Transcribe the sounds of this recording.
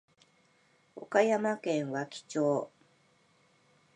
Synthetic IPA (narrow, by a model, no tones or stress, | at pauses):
o̰kajamakẽ̞ɰ̃βakʲi̥t͡ɕoː